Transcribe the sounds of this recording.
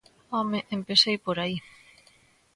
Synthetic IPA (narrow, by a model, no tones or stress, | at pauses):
ɔmeʔempesejpoɾai